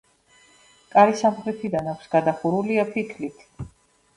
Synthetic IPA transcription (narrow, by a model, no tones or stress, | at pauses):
kʼaɾisamχɾɛt̪ʰid̪anakʷʰsɡ̥ad̪aχuɾuliapʰikʰlit̪ʰ